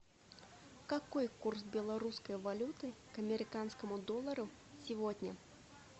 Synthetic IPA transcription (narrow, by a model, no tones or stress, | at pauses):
kakɔjkursbʲɛlˠaɾuskɐjvalʲut̪ɨkɐmʲɛɾɨkanskɐmud̪ɔlˠɐɾu | sʲivɔd̪ʲnʲɐ